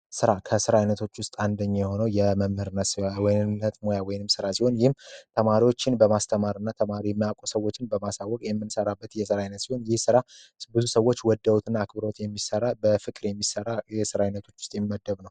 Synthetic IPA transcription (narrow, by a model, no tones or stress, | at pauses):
sɨɾakʰəsɨɾajnət̪ʰo̞t͡ʃːwʊst̪ʼand̪əɲːajɛho̞nəwjɛməmhɨɾɨnːəswɔjnnːət̪mojawɔjnɨmsɨɾasiho̞njɪhmt̪ʰəmaɾiwo̞t͡ʃːɪnbəmast̪ʰəmaɾɨnːat̪ʰəmaɾijɛmːijakʼosəwot͡ʃːɪnbəmasawːɔkʼjɛmːɨnsəɾabːət̪jɛsɨɾajnət̪siho̞njɪhsɨɾabɨzusəwːo̞t͡ʃːwɔd̪ːəwut̪ʰɨnːaːkbɨɾo̞t̪jɛmːisəɾabəfɨkʼɨɾjɛmːisəɾajɛsɨɾaɨnət̪ʰo̞t͡ʃːwʊst̪ʼjɛmːiməd̪ːəβnəw